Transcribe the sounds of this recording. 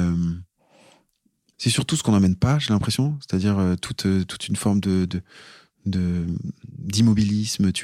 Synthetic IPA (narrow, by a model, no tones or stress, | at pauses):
øm | sɛsyʁt̪usə̥kɔ̃namɛnpaʒelɛ̃pχesjɔ̃se̥t̪ad̪iʁøt̪ʰut̪ʰøt̪ʰu̥t̪ynfɔʁmd̪əd̪ə | d̪ə | d̪imɔbilismt̪ʰy